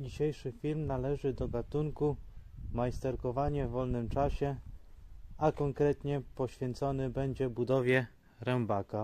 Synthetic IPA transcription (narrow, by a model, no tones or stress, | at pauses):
d͡ʑiɕejʂɘfʲilmnalɛʐɘd̪ɔɡat̪uŋkumajst̪ɛɾkɔvaɲɛvːɔlnɘmt͡ʂaɕɛ | akɔŋkɾɛt̪ɲɛpɔɕfʲjɛnt̪sɔnɘbɛɲd͡ʑɛbud̪ɔvʲjɛ | ɾɛmbaka